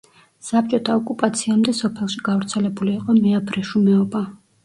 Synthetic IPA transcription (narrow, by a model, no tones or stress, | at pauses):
sap̚ʼt͡ʃʼɔt̪ʰaɔkʼupʼat̪sʰiamd̪ɛsɔpʰɛlˠʃiɡavɾt̪sʰɛlɛbuliːqʼɔmɛabɾɛʃumɛɔba